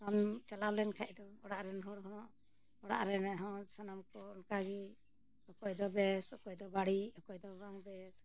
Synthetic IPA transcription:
amt͡ʃalalɛnkʰaʔd̪ɔɔɽaʔɾɛnɦɔɽɦɔnɔʔ | ɔɽa̰ʔɾɛnɛɦɔsanamkɔnkaɡi | ɔkɔjd̪ɔbɛsɔkɔʔd̪ɔbaɽiɔkɔjd̪ɔbaŋbɛs

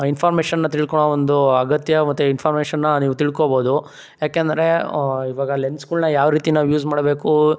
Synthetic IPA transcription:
inpʰaːɾmeːʃɐnːɐt̪iɭkoɳoʋond̪uɐɡɐt̪jɐmɐt̪ːuinpʰaːɾmeːʃɐnːɐniːʋut̪iɭkoboːd̪u | jaːkeːnd̪ɐɾe̞iʋaːɡɐlenɖskuːlnɐjaːʋɾiːt̪inɐjuːzmaːɽbe̞ːku

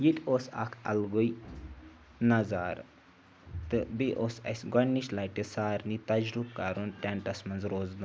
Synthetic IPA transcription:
jit̪ʲʰoːsa̰kʰɐ̰lɡuj | nɐzaːɾ | t̪ɨbiʔoːsɐ̰sʲɡɐnːiʃlaːjʈesaːɾnit̪ɐd͡ʒɾup̚kaɾunʈ̪ʲaɳʈɐsmɐnd͡zɾoːzd̪u

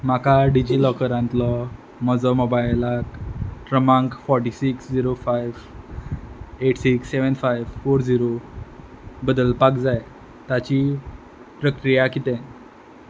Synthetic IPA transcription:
makaɖid͡ʑilɔkəɾãnt̪lɔ | mɔd͡zɔmobajlakʈɾəmãŋkfɔɾʈisiksd͡ziɾofajʋ | eʈsiksːeʋənfajʋfoɾd͡ziɾo | bəd̪əlpakd͡zaj | t̪at͡ɕi | pɾəkɾijakit̪ɛ̃n

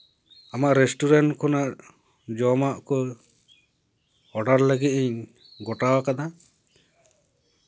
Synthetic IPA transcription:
amaʔɾɛsʈuɾaɳʈkʰɔnaʔ | d͡ʒɔmaʔkɔ | ɔɖaɾləɡit̪̚iɲ | ɡɔʈawakad̪a

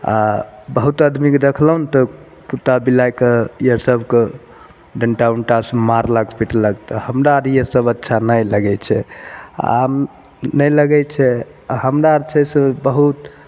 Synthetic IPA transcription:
a̰bəɦut̪əd̪mikd̪ekʰləɦunt̪ɔ | put̪abilajkejəɾsəbʱke | ɖəɳʈauɳʈasmaɾləɡpiʈləɡt̪ɔhəmɾaɾijəsəbətːʃʰanəjləɡɛt͡ʃʰɛ | am | nələɡɛt͡ʃʰɛ | ahəmɾaɾt͡ʃʰɛsə̃bəɦut̪

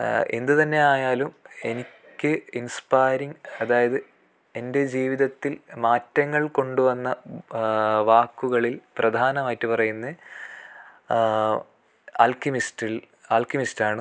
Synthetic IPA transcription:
e̞̰nd̪ɨt̪ɐnːe̞aːjaːlume̞nikʲːɨinspaːjɾiŋɐðaːjɐðɨ | e̞nde̞d͡ʑiːʋiðɐt̪ːilmaːtːɐŋːɐɭko̞ɳɖuʋɐnːɐ | ʋaːkːuɣɐɭilprɐd̪ʱaːnɐmaːjitːɨpɐrɐjunːe | a̰ːlkimistil | aːlkimistaːɳɨ

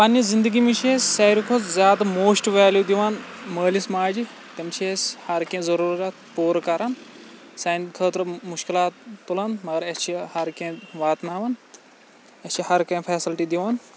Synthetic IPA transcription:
pɐnːizind̪əɡimit͡ʃʰesʲsɐiɾikʰot͡szʲjaːd̪ɐmoːsʈʋaːljud̪iʋaːnməːlismaːd͡ʒi | t̪ɐmt͡ʃʰiesʲhɐɾkẽːzɐɾuːɾkɐt̪puːɾkɐɾaːn | sɐːnkʰəːt̪ɾɐmuʃkilaːt̪ːulaːnmɐɡɐɾɐst͡ʃʰihɐɾkẽʋaːt̪naːʋɐn | ɐst͡ʃʰihɐɾkɐ̃pʰɛːsilʈid̪iʋaːn

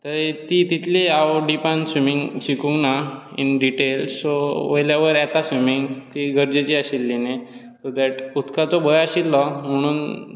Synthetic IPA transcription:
t̪əɾet̪it̪it̪ʰleawɖipãnsʋimiŋɡɕikũŋɡnaḭnɖiʈelssoʋəjlaʋəɾɛt̪asʋimiŋɡt̪iɡʱəɾd͡ʑet͡ɕiaɕilːene | t̪ɔd̪ɛʈut̪kat͡sɔbʱəjaɕilːɔm̤əɽ̃uːn

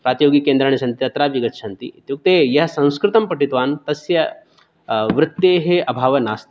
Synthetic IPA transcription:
pɾaːt̪joːɡikeːnd̪ɾaɳ̃isɐnt̪it̪ɐt̪ɾaʋiɡɐt̪ʃʰant̪ḭit̪juk̚t̪ejɐɦsɐ̃w̃skɾɨt̪ɐmpɐʈit̪ʋaːnt̪ɐsjɐ | ʋɾɨt̪jeɦeʔɐbʱaːʋɐnast̪

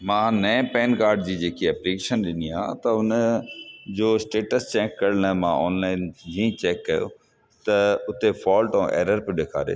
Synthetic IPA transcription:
mãːnɐẽpɛːnkaːɾɖd͡ʑiːd͡ʑeːkiɐplikeːʃənɗɪnia̰ːt̪ɐʊn | d͡ʑoːsʈeːʈəst͡ɕɛːkːɐɾnɐmãɔ̰ːnlaːɪnd͡ʑĩːt͡ɕɛːkːɐjo̰ | t̪ɐʊt̪efɔːlʈɔ̃ʔḛːɾəɾpɪɗeːkʰa̰ːɾḛː

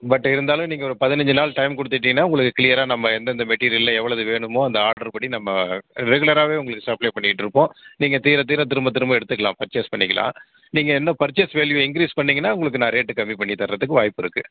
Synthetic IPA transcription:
bɐʈːɪɾɯnd̪aːlɯ̃mniːŋɡɐɔɾɐpɐðɪnɐɲd͡ʒɯnaːlʈɐɪmkɔɽɯt̪ːɪʈ̬ːiːŋɐnːaːʊŋɡɐɭɯkːɯkɪlɪjɐɾaːnɐmːɐɛnd̪ɐnd̪ɐmɛʈːiːɾɪjɐllɐɛʋːɐɭɐðɯʋeːɳɯmoːɐnd̪ɐaːɾɽʈɐɾpɐɽinɐmːɐɾɛɣɯɭɐɾaːʋeːʊŋɡɐɭɯkːɯ̥sɐɾpɭeːpɐɳːɪkːɪʈːɯɾɯpːõːniːŋɡɐt̪iːɾɐt̪̬iːɾɐt̪̬ɪɾɯmbɐt̪̬ːɪɾɯmbɐɛɽɯt̪ːɯkːɐɭã̰ːpɐɾt͡ʃɐspɐɳːɪkːɐlã̰ː | niːŋɡɐɛnːɐpɐɾt͡ʃːesʋeːljuɪŋkɪɾiːspɐɳːiːŋɡɐnːaːʊŋɡɐɭɯk̬ːɯnãːɾeːʈːɯkɐmːipɐɳːit̪ɐɾɾɐt̪ːɯkːɯʋaːjɪpːɪɾɯkːɯ

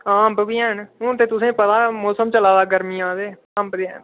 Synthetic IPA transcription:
aːmpbiːaːnɦõːt̪eːt̪ʊsẽːpət̪aːmoːsəmt͡ʃəlaːdaːɡəɾmiːãːd̪eː | ãːmpd̪eːa̰n

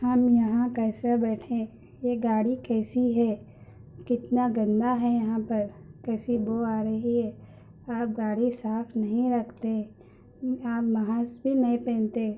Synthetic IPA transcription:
hɐmjɐɦãkɛːsabɛːʈʰẽ | jeɡaːɽikɛːsiɦɛ | kɪt̪naɡɐ̃nd̪aɦɛjɐɦãpɐɾkɛːsiboaːɾəɦiɦɛː | aːp̚ɡaːɽisaːfʰnɐɦĩɾɐkʰt̪eɦɛ̃ | aːpmɐɦaːsbʱinɐɦĩpɛ̃ːnt̪e

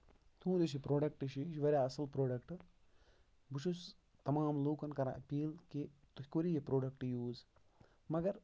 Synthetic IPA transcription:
t̪ʰũːd̪it͡ʃʰipɾoːɖɐk̚ʈiʃiʃʋɐɾʲjaːɐsɨlpɾoːɖɐkʈɨ | but͡ʃʰus | t̪ɐmaːmluːkɐnkɐɾaʔɐpiːlkit̪ukoɾijepɾoːɖɐkʈjuːz | mɐɡɐɾ

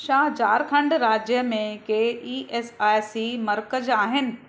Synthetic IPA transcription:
ʃaːɦt͡ɕaːɾkʰɐ̃ɳɖɾaːd͡ʑjəmẽkeːiːʔeːsaːjsimɐɾkəd͡ʑaːɦɪnɪ̆

